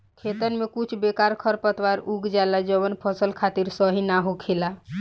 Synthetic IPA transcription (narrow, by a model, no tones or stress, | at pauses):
kʰet̪ənmekut͡ʃʰbekaɾkʰəɾpət̪ʋaɾuɡd͡ʒalad͡ʒəβənpʰəsəlkʰat̪iɾsəɦinaɦokʰela